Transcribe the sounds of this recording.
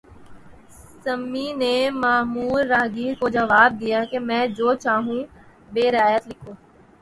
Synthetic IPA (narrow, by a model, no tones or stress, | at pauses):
səmːinemaːmuːlːaːɦɡiːɾkod͡ʒəʋaːb̚d̪ijaːkemɛ̃ːd͡ʒoːt͡ʃaːɦũː | beːɾɪaːjət̪lɪkʰoː